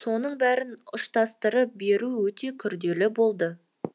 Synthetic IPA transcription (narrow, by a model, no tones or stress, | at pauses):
so̞nəɴbæɾɪnʊʃt̪ʰɑst̪əɾəp̚be̞ɾuwɵt̪ʰe̞kʲʰʏɾd̪e̞lɪbo̞lˠd̪ə